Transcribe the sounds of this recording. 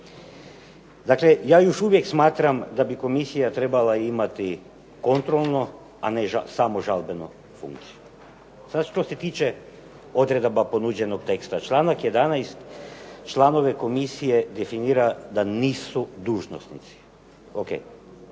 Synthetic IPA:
d̪aklejaːjo̞ʃuʋjeksmaːt̪ɾamd̪abiko̞misijat̪ɾe̞balaimat̪i | ko̞nt̪ɾolˠno | a̰ne̞ʒasamo̞ʒalbeno | fṵŋkt̪siju | sad̪ʃt̪ose̞t̪iːt͡ʃe̞ | o̞d̪ɾe̞d̪obapo̞nud͡ʑe̞nok̚t̪e̞kst̪at͡ʃlˠanakjed̪anajst̪t͡ʃlˠano̞ʋeko̞misijed̪e̞finiːɾad̪aniːsud̪uːʒno̞̰snit̪si̥ | okḛj

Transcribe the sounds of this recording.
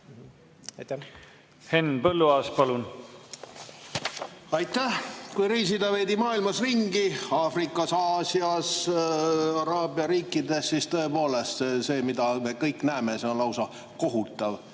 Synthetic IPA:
henːpɤlːuɑːspɑlun | ɑjt̪ːˑæhkujɾiːs̬id̪ɑve̞jd̪imɑːilmɑsriŋɡiɑːfrikːˑɑsɑːsiɑs | ɑɾɑːbiɑɾiːkːˑid̪e̞sːist̪ɤ̞e̞po̞ːle̞st̪se̞ːmid̪̥ɑmekɤjkːˑnæemeseonlɑwsɑ | ko̞ɦut̪ːˑɑv

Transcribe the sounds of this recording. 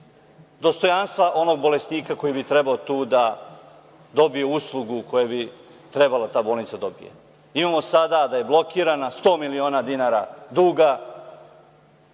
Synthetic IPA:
d̪o̞st̪o̞janst̪ʋaʔo̞no̞ɡ̚bo̞le̞sniːkako̞jibit̪ɾe̞baot̪uːd̪a | d̪o̞bijuuslˠuɡukʰo̞jebit̪ɾe̞balat̪aːbo̞ːlnit̪sad̪o̞bijḛ | imaːmo̞sad̪ad̪aje̞blˠo̞kiːɾanast̪o̞ːmilio̞ːnad̪inaːɾad̪uːɡa

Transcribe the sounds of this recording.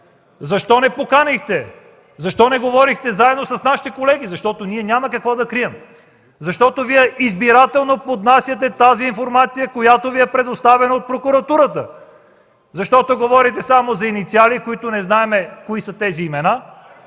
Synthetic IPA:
zɐʃt̪ɔnɛpokanixt̪ɛ | zɐʃt̪ɔnɛɡovɔɾixt̪ɛzaɛd̪nosɐsnaʃi̥t̪ɛkolɛɡ̟izɐʃt̪ɔt̪oniɛnʲamɐkɐkvɔd̪ɐkɾiɛm | zɐʃt̪ɔt̪oviɛʔizbiɾat̪ɛlˠnopod̪nasʲjət̪̬ɛt̪aziːnfoɾmat̪sijəkojat̪oviɛpɾɛd̪ost̪avɛnɐot̪̚pɾokʊɾɐt̪uɾət̪ə | zɐʃt̪ɔt̪oɡovɔɾit̪ɛsamozɐinit̪sialikoit̪ʊnɛznaɛmɛkoisət̪ɛziːmɛna

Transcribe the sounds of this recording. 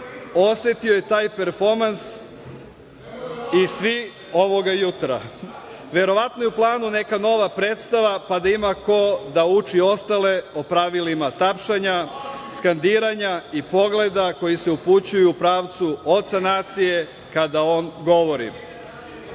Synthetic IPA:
o̞sʋe̞t̪io̞je̞t̪aːjpeɾfo̞ɾmans | isʋi | o̞ʋo̞ɡajut̪ɾa̰ | ʋe̞ɾo̞ʋat̪nojuplˠaːnune̞kano̞ʋapɾe̞ːt̪st̪aʋapad̪aimako̞d̪aut͡ʃio̞st̪ale̞opɾaʋilimat̪apʃaɲaskand̪iːɾaɲaipo̞ɡle̞d̪ako̞jiseuput͡ɕujuːpɾaːʋt̪suo̞t̪t̪sanaːt̪sije̞ | kad̪ao̞ːnɡo̞ʋo̞ɾḭ

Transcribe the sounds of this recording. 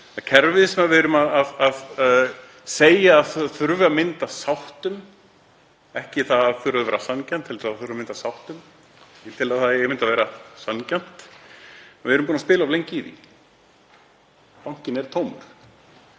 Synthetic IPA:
θacʰɛɾvɪðsɛmavɪɾʏmaðaðað | seːjaːðθθʏɾvamɪnt̪asawht̪ʏm | ɛhcɪθaðaðθʏɾaðʏvɛːɾasancant̪ʰːɛlsaθʏɾvamɪnt̪asawht̪ʏm | it̪ʰɪlaðθaðɛɛɾmɪnt̪avɛːɾasancan̥t̪ | vɪɛɾʏmpuːnaspɪːlavlejɲcɪðḭ | pawɲ̥cɪnɛɾ̥t̪ʰoːwmʏ̰ɾ̥

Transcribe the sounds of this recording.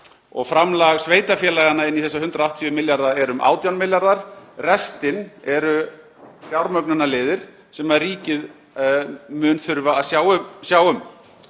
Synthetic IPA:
ɔ̰ɣfɾamlaɣsveːjt̪afjɛːlaːɣanːaɪnːiθɛsːahʏnt̪ɾaawht̪ʰivʏmɪljaɾðaɛɾʏmʔa̰ːwt̪jawnmɪljaɾðaɾ̥rɛst̪ɪnɛɾʏ | fjawɾmœknʏnalɪːðɪɾ̥ | sɛmariːcɪð | mʏːnθʏɾvaːðsjawsjaːwʏm

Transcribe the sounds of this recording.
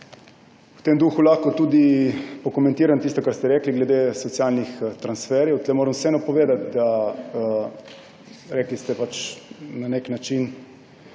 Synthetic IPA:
wt̪emd̪uːxulaxkɔt̪uːd̪ipɔkomɛ̃nt̪iːɾant̪ist̪ɔkaɾst̪ɛɾɛːkliɡlɛd̪esɔt̪sjalnixt̪ɾansfɛɾjɛwt̪lɛmoːɾəmsɛnɐpɔʋeːd̪at̪̚d̪a | ɾɛklist̪ɛpat͡ʃnaneknat͡ʃin

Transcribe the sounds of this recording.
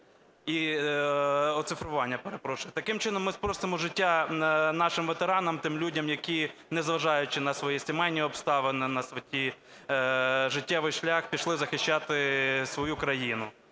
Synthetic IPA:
i | ɔt̪sɪfɾʊʋɑnʲːɐpeɾepɾɔʃʊɪt̪ɐkɪmt͡ʃɪnɔmːɪspɾɔst̪ɪmʊʒɪtʲːanɑʃɪmʋet̪eɾɑnɐmt̪ɪmlʲudʲɐmjɐkʲinɛzʋɐʒɑjʊt͡ʃɪnɐsʋɔjisʲɪmɛjnʲiɔpst̪ɑʋɪnɪnɐsʋɔtʲi | ʒɪtʲːɛʋɪjʃlʲaxpʲiʃlˠɪzɐxɪʃt͡ʃɑt̪ɪsʋɔjukɾɐjinʊ

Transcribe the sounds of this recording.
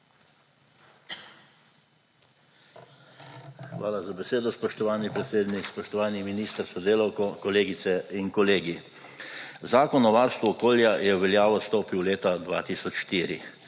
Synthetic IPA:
xʋaːlazabɛseːd̪ɔspɔʃt̪ɔʋaːnipɾɛt̪seːd̪nikspɔʃt̪ɔʋaːniminiːst̪əɾsɔd̪eːlawkɔkɔleːɡit̪sɛinkɔleːɡi | zaːkɔnɔʋaːɾst̪ʋɔːkoːljajɛwʋɛljaːʋɔst̪oːpiwleːt̪ad̪ʋa̰ːt̪iːsɔt͡ʃʃt̪iːɾḭ

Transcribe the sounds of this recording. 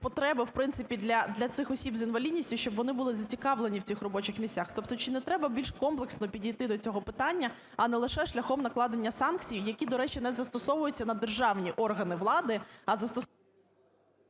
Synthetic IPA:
pɔt̪ɾɛbɪwpɾɪnsɪpʲid̪lʲɐd̪lʲɐt̪sɪxɔsʲibzinʋɐlʲidʲnʲisʲtʲʊʃt͡ʃɔbʋɔnɪbʊlˠɪzɐt͡sʲikɑʋlˠenʲiw̥t͡sʲixrɔbɔt͡ʃɪxmʲisʲtʲaxt̪ɔpt̪ɔt͡ʃɪnɛt̪ɾɛbɐbʲilʲʃkɔmplˠeksnɔpʲidʲijt̪ɪd̪ɔt͡sʲɔɦɔpɪt̪ɑnʲːɐ | ɐnɛlˠɪʃɛʃlʲɐxɔmnɐklˠɑd̪enʲːɐsɑnk̚t͡sʲijjɐkʲid̪ɔɾɛt͡ʃinɛzɐst̪ɔsɔʋʊjʊt͡sʲːɐnɐd̪erʒɑwnʲiʔɔrɦɐnɪʋlˠɑd̪ɪɐzɐst̪ɔ

